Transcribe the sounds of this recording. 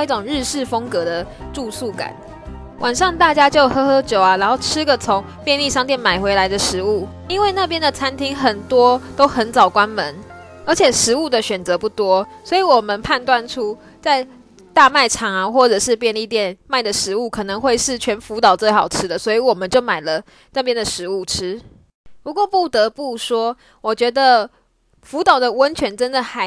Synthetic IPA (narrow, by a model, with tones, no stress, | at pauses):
i˥˩ʈ͡ʂʊ˨˩ŋɻ̩˥˧ʂɻ̩˥˩fɤ˥ŋkɤ˧˥d̪ə˨ʈ͡ʂu˥˧su˥˩ka̰˨˩˦n | wʔa˨˩nʂɑ˥˧ŋt̪a˥˩t͡ɕja˥t͡ɕjo˥˩ʊxɤ˥xɤ˥t͡ɕjo˨˩ʊɐ˨ɻa˧˥nxo˥˩ʊʈ͡ʂʰɻ̩˥ɡə˨t͡sʰo˧˦ŋ | pjɛ˥˧nli˥˧ʂɑ˥ŋt̪jɛ˥˩nma˨˩ɪxwe˧˥ɪla˧˥ɪd̪ə˨˧ʂɻ̩˧˥˦u˥˩ | i˦nwe˥˧ɪna˥˩pjɛ˦˥nd̪ə˨t͡sʰa˥nt̪ʰi˥ŋxə˨˩nt̪wɔ˥t̪o˥ʊxə˧˥nt͡sɑ˨˩ʊkwa˦˥nmə˧˦n | ə˞˧˥t͡ɕʰjɛ˨˩ʂɻ̩˧˥u˥˩d̪ə˨ɕɥɛ˨˩nt͡sɤ˧˥pu˥˩t̪wɔ˥swɔ˧˥i˧˥wɔ˨˩mə˨˦npʰa˥˧nt̪wa˥˨nʈ͡ʂʰu˥ | t͡sa˥˩ɪ | t̪a˥˧ma˥˩ɪʈ͡ʂʰɑ˧˥ŋa˧xwɔ˥˩ʈ͡ʂɤ˨˩ʂɻ̩˥˧pjɛ˥˧ni˥˩t̪jɛ˥˨˩nma˥˩ɪd̪ə˩ʂɻ̩˧˥u˥˩kʰɤ˨˩nɤ˧˦ŋxwe˥˧ɪʂɻ̩˥˩t͡ɕʰɥɛ˧˥nfu˧˥t̪ɑ˨˩ʊt͡swe˥˩ɪxɑ˨˩ʊʈ͡ʂʰɻ̩˥d̪ə˨swɔ˧˥i˧˥wɔ˨˩mə˨˦nt͡ɕjo˥˩ʊma˨˩ɪlə˦ | na˥˩pjɛ˥nd̪ə˨ʂɻ̩˧˥u˥˩ʈ͡ʂ̩ʰ˥ | pu˧˥kwɔ˥˧pu˥˩t̪ə˧˥pu˥˩ʂwɔ˥ | wɔ˨˩t͡ɕɥɛ˧˥d̪ə˨ | fu˧˥t̪ɑ˨˩ʊd̪ə˨wə˦nt͡ɕʰɥɛ˧˥nʈ͡ʂə˦nd̪ə˨xa˧˥